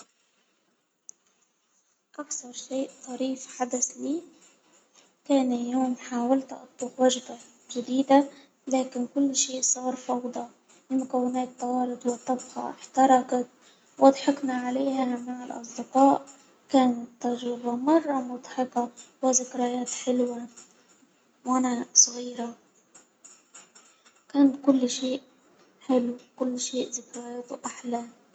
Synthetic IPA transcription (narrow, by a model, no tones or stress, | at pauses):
ʔakθɑɾˤʃeːʔt̪ˤɑɾiːfħad̪asliː | kæːnɪljuːmħaːwalt̪ʔɑ̰t̪ˤːuxwaʒba | ʒɪd̪iːd̪a | læːkɪnkʊlːʃiːʔsˤɑːɾˤfɑwd̪ˤɑ | lɪmʊkawːɪnæːt̪ːɑwɑːɾɨt̪ˤwɪt̪ːɑbxɑ̰ʔɪħt̪ɑɾˤɑkat̪ | wʔɑd̪ˤħɪknaʕaleːhamaʕɪlʔɑ̰s̬ˤd̪ɪqɑːʔ | kaːnɪt̪ːaʒɾɪbamɑrˤːɑmʊd̪ˤħɪkɑwɪzɪkɾajaːt̪ħɪlwa | wʔanasˤɣiːɾa | kaːnt̪kʊlːʃeːʔ | ħɪlkʊlːʃeːʔzɪkɾajaːt̪ʊʔaħla